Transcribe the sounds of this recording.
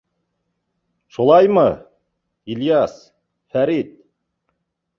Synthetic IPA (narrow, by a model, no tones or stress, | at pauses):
ʃulˠɑjmɤ | iljɑs | fæɾit̪̚